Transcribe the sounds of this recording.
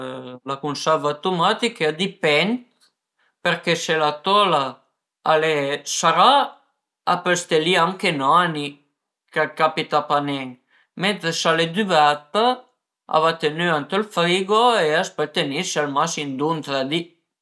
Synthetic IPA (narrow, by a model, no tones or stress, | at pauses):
lakunsɛɾvat̪omat̪ikad̪ipɛnt̪ | peɾkeselat̪ola | alesaɾa | apest̪eliaŋkenoani | kakapit̪apanɛŋ | ment̪ɾesaled̪yvat̪a | a̰vat̪enyant̪əlfɾiɡoeaspet̪ːenisalmasind̪unt̪ɾad̪i